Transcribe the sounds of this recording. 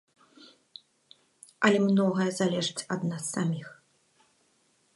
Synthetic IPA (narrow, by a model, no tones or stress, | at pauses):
ɐlʲɛmnɔɣɐjɛzalʲɛʐɨt͡sʲɐd̪nasːamʲix